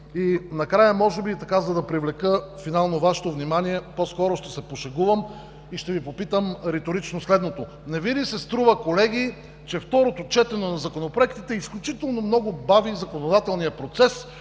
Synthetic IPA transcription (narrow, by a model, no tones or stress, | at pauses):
inɐkɾajəmɔʒɛbit̪ɐkazɐd̪ɐpɾivlɛkəfinalˠnovaʃɛ̥t̪ovnimaniɛposkɔɾoʃt̪ɛsɛpoʃɛɡuvəm | iʃt̪ɛvipopit̪əmɾɛt̪oɾit͡ʃnoslɛd̪not̪o | nɛvid̪isɛst̪ɾuvəkolɛɡ̟i | t͡ʃɛft̪ɔɾot̪ot͡ʃɛt̪ɛnonɐzɐkonopɾoɛkt̪it̪ɛisklʲut͡ʃit̪ɛlˠnomnɔɡʊbavizɐkonod̪at̪ɛlˠnijəpɾot̪sɛs